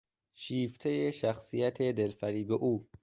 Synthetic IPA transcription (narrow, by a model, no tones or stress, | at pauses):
ʃiːft̪ʰejeʃæxsijæt̪ʰed̪elfæɾiːbeʔuː